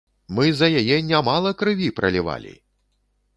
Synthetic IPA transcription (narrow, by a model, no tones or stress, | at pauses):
mɨzɐjajɛnʲamalˠɐkɾɨvʲipɾʔɐ̰lʲiva̰lʲḭ